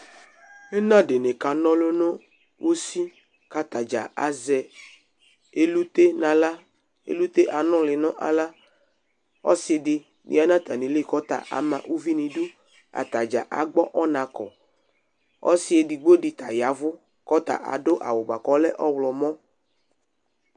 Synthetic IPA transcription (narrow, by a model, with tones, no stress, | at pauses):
e˦nã˦de˨ne˨ka˨nɔ̃˦lo˦nɔ̃˦ | wʔo˦si˦ | ka˨t̪a˨d͡ʒa˨ʔa̰˨zɛ˨ | e˦lu˦t̪e˦nã˨la˦ | ḛ˨lu˦t̪e˦ʔa˨nɔ̃˦lɪ˨nɔ̃˦ʔa̰˨la˦ | ɔ̰˦sɪ˨dɪ˨ | nʔḭ˨a˨˦nã˦t̪a˨nĩ˨lɪ˦kɔ˦t̪a̰˨ʔa̰˨mã̰˨ʔu˦vi˦nĩ˨du˦ | a̰˨t̪a˨d͡ʒa̰˨ʔa̰˨ɡ͡bɔ˦ʔɔ˦nã˨kɔ̰˨ | ɔ̰˦sɪ˦e˨di˨ɡ͡bo˦dɪ˨t̪a̰˨ja˨˦vʊ˦ | kɔ˦t̪a̰˨ʔa̰˨do˦ʔa̰˨wo˨ba˨kɔ˦lɛ˦ʔɔ˦wlɔ˨mɔ̃˦